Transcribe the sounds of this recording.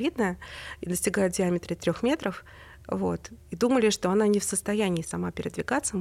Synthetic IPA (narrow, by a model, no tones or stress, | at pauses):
id̪nəid̪əsʲtʲɪɡajʊt̪̚dʲɪamʲɪt̪ɾɨt̪ɾʲo̞xmʲet̪ɾəf | vo̞t̪id̪uməlʲɪʂt̪o̞ɐnanʲɪfsəst̪ɐjænʲɪːsɐmapʲɪɾʲɪd̪vʲɪɡat̪sə